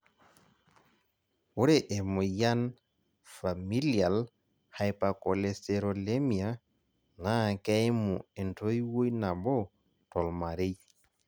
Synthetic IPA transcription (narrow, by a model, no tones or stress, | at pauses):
wuɾɛʔɛmɔjan | familial | hajpakɔleseɾolemia | nakɛjmuɛntojwojnabɔ | tɔlmaɾej